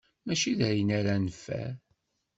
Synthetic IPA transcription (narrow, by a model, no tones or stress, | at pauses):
mæʃiðɾjənaɾanəfːæ̰ɾ